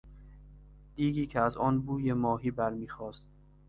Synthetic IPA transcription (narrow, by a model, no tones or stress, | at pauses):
d̪̥iːɡiːcʰeæzɒːnbuːjemɒːɦiːbæɾmiːxɒːst̪̚